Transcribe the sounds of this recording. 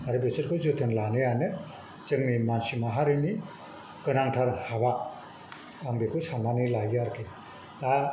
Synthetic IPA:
aɾɯbesɯɾkʰɯzɯt̪ʰɯnlanɯjanɯ | t͡ʃɯŋnimansimaɦaɾɯni | kɯnaŋtʰaɾhaba | aŋbekʰɯsananilajaɾkʰe | da

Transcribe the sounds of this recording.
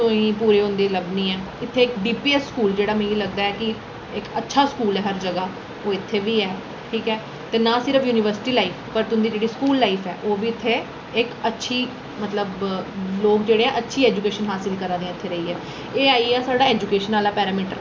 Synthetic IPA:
tʊ̃ĩːpuːɾeːɦʊ̃nd̪eːləbniːɛ̃ː | ɪt̪ʰːeːɪkɖiːpiːɛsːkuːld͡ʒeːɽaːmɛ̃iləɡd̪aːɛːkɪ | ɪkətːʃʰaːskuːlɛːɦəɾd͡ʒəɡaː | oːɪt̪ʰːeːʋiːɛː | ʈʰiːkɛː | t̪eːnãːsɪɾəfʰjuːnɪʋəɾsɪ̥ʈiːlaːiːfʰpəɾt̪ʊnd̪iːd͡ʒeːɽiːskuːlːaːifʰɛ̰ːʔoːʋiːɪt̪ʰːeː | ɪkətːʃʰiː | mət̪ləbloːkd͡ʒeːɽeːɛ̃ʔətːʃʰiːɛːd͡ʒukeːʃənɦaːsɪlkəɾãːd̪eɛ̃ːɪt̪ʰːeːɾəiːɛː | eːaːiːɛːsaːɖaːɛːd͡ʒukeːʃənaːlaːpɛːɾaːmiːʈəɾ

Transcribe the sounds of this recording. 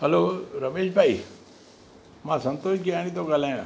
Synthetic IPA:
ɦəloːɾɐmeːʃbʱaːi | mãːsɐ̃nt̪oːʃɡiaːɽ̃ĩt̪oɡəlãː

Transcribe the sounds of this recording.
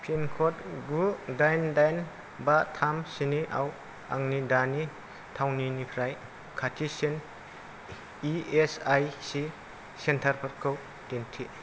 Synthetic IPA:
pʰinkʰotɡudajndajn | batʰamsiniʔa̰w | a̰ŋnidani | tʰawninipʰɾaj | kʰatʰisen | iesajsi | sentʰaɾpʰaɾkʰɯw | tentʰi

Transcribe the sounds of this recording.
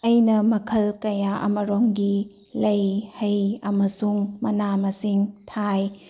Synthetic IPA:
ɐjnɐmɐkʰɐlkɐjaʔɐ̰mɐɾoŋɡi | lɐjhɐjɐmɐsuŋmɐnamɐsiŋtʰaj

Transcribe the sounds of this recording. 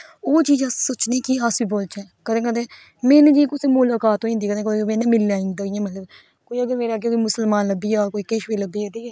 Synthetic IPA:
oːt͡ʃiːd͡ʒəsoːt͡ʃniːkɪəsʋiːboːlt͡ʃɛːkəd̪ẽːkəd̪ẽː | mɛ̃ːnːd͡ʒĩkʊseːmoːlaːkaːt̪ːõĩnd̪iːkəd̪ẽːk̪ːmẽːneːmɪlaːĩːnd̪aːɪjãːmət̪ləb | koːiːəɡəɾmeːɾeaːɡekoːiːmʊsəlmaːnləbiːaːkoːiːkeʃʋeːləbiːɛd̪iːɛː

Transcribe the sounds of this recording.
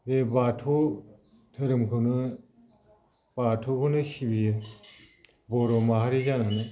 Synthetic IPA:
bebatʰo | tʰɯɾɯmkʰɯwnɯ | b̥atʰokʰɯnɯsibijɯ | bɔɾɔmaɦaɾid͡ʒananɯ

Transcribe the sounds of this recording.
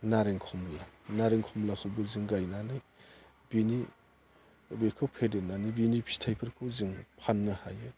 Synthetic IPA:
naɾeŋkʰɔmlanaɾeŋkʰɔmlakʰɯwbɯzɯŋɡajnanɯj | b̥ini | bekʰɯwpʰedenanibinipʰi̥stʰajpʰɯɾkʰɯwzɯŋpʰanːɯhajɯ

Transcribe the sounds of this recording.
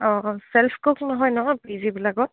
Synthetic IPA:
ɔsɛlpʰkoknɔɦɔjnɔɦɔjpizibilaɡɔt̚

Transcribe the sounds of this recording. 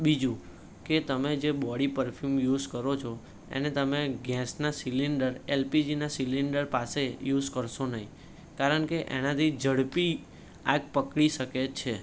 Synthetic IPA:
ɓid͡ʒũ | ket̪əmed͡ʒebɔɽipəɾpʰjumjuzkəɾot͡ʃʰo | ḛnet̪əmeɡɛsnasiliɳɖəɾelpid͡ʒinasiliɳɖəɾpasejud͡ʒkəɾʃonəɦĩ | kaɾəɳkeʔḛnat̪ʰid͡ʒəɽpi | aɡpəkɽiʃəket͡ʃʰe

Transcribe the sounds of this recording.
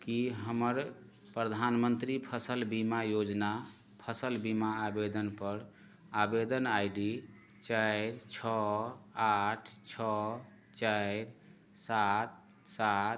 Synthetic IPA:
kiɦəməɾ | pɾəd̪ʱanmənt̪ɾipʰəsəlbimajod͡ʒna | pʰəsəlbimaːbed̪ənpəɾ | abed̪ənajɖi | t͡ʃaɪɾt͡ʃʰɔaʈʰt͡ʃʰɔ | t͡ʃaɪɾ | sat̪̚ | sat̪

